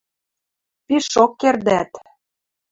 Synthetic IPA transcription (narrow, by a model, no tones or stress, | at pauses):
piʃokːerd̪æt̪